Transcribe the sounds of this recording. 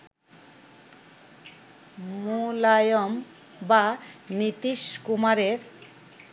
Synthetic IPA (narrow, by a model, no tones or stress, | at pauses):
mulajɔm | banit̪iʃkumaɾeɾ